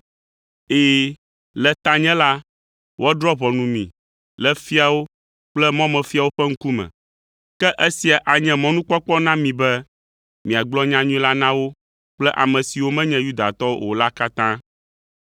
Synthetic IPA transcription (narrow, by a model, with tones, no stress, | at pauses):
eː˨ | lɛ˨t̪ã˦ɲɛ̃˦la˦ | wʔd̪ɾɔ˦βɔ˨nũ˨mḭ̃˨ | lɛ˦fi˦a˨wo˦ | k͡plɛ˦mɔ̃˦mɛ̃˨fi˦a˨wo˦ɸɛ˦ŋ̩˦ku˦mɛ̰̃˨ | kɛ˦ʔɛ˦si˨a˨ʔa˨ɲɛ̃˦mɔ̃˦nũ˦k͡pɔ˦k͡pɔ˦nã˦mĩ˨bɛ˦ | mĩ˨a˨ɡ͡blɔ˦ɲã˦ɲũ˦ĩ˦la˦nã˦wo˦ | k͡plɛ˦ʔa̰˨mɛ̃˨si˨wo˦mɛ̃˦ɲɛ̃˨˦ju˦d̪a̰˨t̪ɔ˦wo̰˨la˦ka˦t̪ã˦